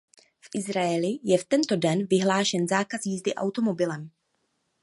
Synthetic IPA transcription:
fʔɪzɾaɛlɪjɛft̪ɛnt̪o̞dɛnvɪɦlaːʃɛnzaːkazjizdɪʔa̰wt̪o̞mo̞bɪlɛm

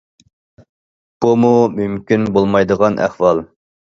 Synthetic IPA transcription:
b̥umumymkʲinbolˠmɑjd̪əʁɑnʔæ̰χwɑlˠ

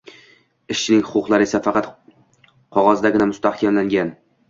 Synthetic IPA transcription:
ɪʃt͡ʃʰɪnɪŋhʊqʊqlˠaɾɪe̞safɑqɑt̪ | qʰɒʁɒzd̪aɡʲɪnamʊst̪ahkʲʰamlaŋɡʲan

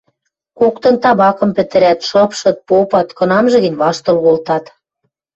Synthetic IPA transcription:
kokt̪ɤ̆nt̪ɑβɑkɤ̆mpɘ̆t̪ɘ̆ɾæt̪ʃɤ̆pʃɤ̆t̪̚popɑt̪kɤ̆nɑmʒɤ̆ɣə̆nʲβɑʃt̪ɤ̆lɣolt̪ɑt̪

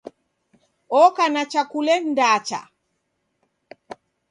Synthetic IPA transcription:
ɔkanat͡ʃakulɛndaːt͡ʃa̰

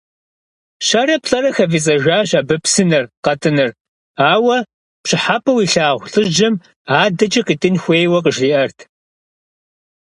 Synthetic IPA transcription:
ɕɐɾɐpɬʼɐɾɐxɐvit͡sʼɐʒʷaːɕaːbɨpsɨnɨrqɐtʰɨnɨr | aːwɐ | pɕɪħapʰʼɐwiːɬaːʁʷɬʼɨʒd͡ʒɐm | aːdɐt͡ʃʼɐqiːtʼɨnxʷeːjwɐqəʒriːʔɐrtʰ

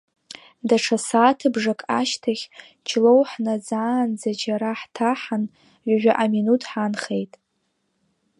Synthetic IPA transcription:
daʈ͡ʂʰasaːtʰɨbʐakʼaʃtʰaχʲ | t͡ʃʰlo̞wħnad͡zaːnd͡zad͡ʒaɾaħtʰaħan | ʕʷaʒʷᶣaʔaminutʰħanχejtʼ

